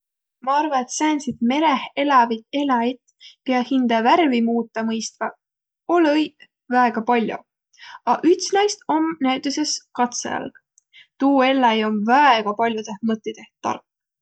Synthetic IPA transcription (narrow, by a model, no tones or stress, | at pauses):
mɑɑɾvɑet̪sæːnsit̪me̞ɾehe̞lɑvit̪e̞lɑjt̪ | peɑhind̪̥ɑværvimuːt̪ˑːɑmɤjst̪vɑ | olɤj | væeɡ̥ɑpɑlʲjo̰ | ɑʔyt̪snɑjst̪o̞mnæt̪yse̞skɑt̪sḛjɑ̰lɡ̥ | t̪uːe̞lːɑjo̞mvæeɡ̥ɑpɑlʲjot̪e̞hmɤt̪ːˑid̪̥e̞ht̪ːɑ̰rkː